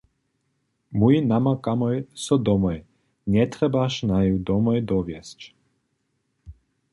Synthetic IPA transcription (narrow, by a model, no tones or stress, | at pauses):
muinamakamojsɔd̪omɔj | nʲɛt̪ɾɛbaʃnajud̪omɔjd̪oʋjest͡ʃ